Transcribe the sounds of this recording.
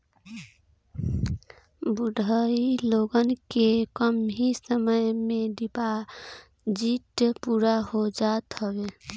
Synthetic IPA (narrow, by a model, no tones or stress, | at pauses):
buɖʱəiloɡənkekəmɦisəməjmeɖipa | d͡ʒiʈpuɾaɦod͡ʒat̪ɦəbe